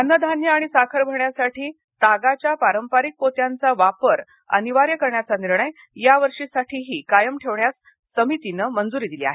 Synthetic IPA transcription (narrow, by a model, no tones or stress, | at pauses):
ənːəd̪ʱanjəaɽ̃isakʰəɾbʱəɳjasaʈʰiː | t̪aɡat͡ɕjapaɾəmpaɾik̚pot̪jant͡saʋapəɾ | ə̰niʋaɾjəkəɾɳjat͡saniɾɳəj | jaʋəɾʂisaʈʰiːɦiːkajəmʈʰeʋɳjasː | əmit̪inəmənd͡zuɾiːd̪ilia̰ɦe